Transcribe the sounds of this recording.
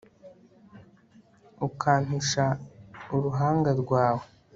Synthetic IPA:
ukʰaːm̥iʃauɾuɦaːŋɡaɾɡwaːwe

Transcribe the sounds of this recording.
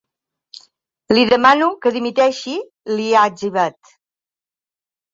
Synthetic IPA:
liðəmanukəðimit̪ɛʃi | liad͡ʒiβat̪

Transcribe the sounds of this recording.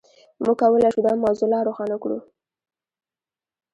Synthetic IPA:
muɡ̚kawəlajʃud̪ɑmɑzʊlɑɾoxɑnakɽṵ

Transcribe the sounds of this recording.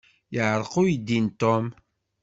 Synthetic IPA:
jəʕəɾˤqʊjd̪ːint̪om

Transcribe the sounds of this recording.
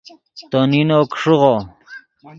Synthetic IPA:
t̪oninokʂuʁo

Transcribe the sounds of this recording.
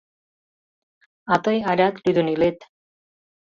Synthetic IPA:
at̪ʌjaɾʲat̪lud̪unilet̪

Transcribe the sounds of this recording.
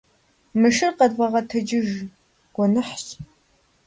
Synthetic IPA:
mɨʃɨrqɐdʁɐʁɐtʰɨd͡ʒɪʒ | ɡ̥ʷɔnɨħɕ

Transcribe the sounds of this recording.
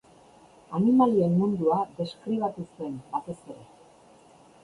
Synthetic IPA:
animalie̞mːund̪uaðe̞skɾiβ̞at̪use̞mbat̪e̞se̞ɾe̞

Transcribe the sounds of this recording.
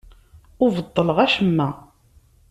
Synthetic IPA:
ʊvəd̪ˤːələʁæʃəmːæ

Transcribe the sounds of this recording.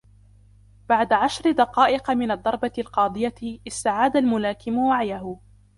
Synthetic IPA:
b̥aʕd̪aʕaʃɾɪd̪ɑqɑːʔɪqmɪnad̪ˤːɑɾˤbaɪlqɑːd̪ˤɨjaʔɪst̪aʕaːd̪almʊlaːkɪmʊwaʕjahʊ

